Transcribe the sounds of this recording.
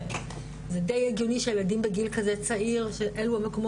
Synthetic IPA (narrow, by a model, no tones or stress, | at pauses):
zed̪ejeɡjoniʃejeladimbeɡilkazet͡saiʁʃeʔe̞luhameko̞mo